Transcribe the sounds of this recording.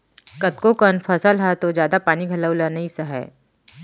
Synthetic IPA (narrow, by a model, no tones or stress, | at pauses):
kɐt̪kõkənfʰɐsəlɦat̪od͡ʒjaːd̪apaːniɡʱɐləwlanɐɦĩsɐɦɛ̰ː